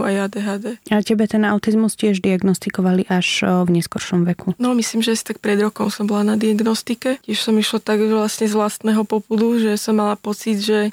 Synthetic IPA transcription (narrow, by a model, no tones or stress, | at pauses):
ajaːd̪ɛːɦaːd̪ɛːaɛcɛbɛt̪ɛnaʊt̪izmuscɪɛʒd̪iaɡnɔst̪ikɔʋaliʔaʃvɲɛskɔɾʃɔmʋɛkʰunɔmisliːmʒɛasi̥t̪ak̚pɾɛd̪ɾɔkɔmsɔmbɔlanad̪iaɡnɔst̪ikɛcɪɛʃsɔmiʃlɔt̪aɡʋlasɲɛzʋlast̪nɛːɦɔpɔpud̪uʒɛsɔmːalapɔt͡sid̪ʒɛ